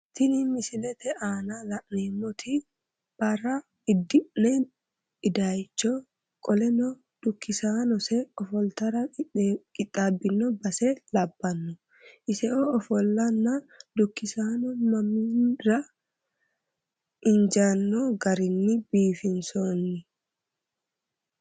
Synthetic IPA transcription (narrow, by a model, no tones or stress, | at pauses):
t̪ɪnɪmɪsɪlɛt̪ɛʔaːnalɐʔneːmːɔt̪ʰɪ | b̥ɐrɐ | ɪd̪ːɪʔnɛ | ɪd̪ajt͡ʃːɔ | kʼɔlɛnɔ | d̪̥ʊkːɪsaːnɔsɛɔfɔlt̪ɐɾɐkʼɪtʼːabːɪnːɔbɐsɛlɐbːɐnːɔ | ʔɪsɛɔɔfɔlːɐnːad̪ʊkːɪsaːnɔmɐminɾɐ | ʔɪnd͡ʒanːɔɡɐɾɪnːɪbiːfɪnsonːɪ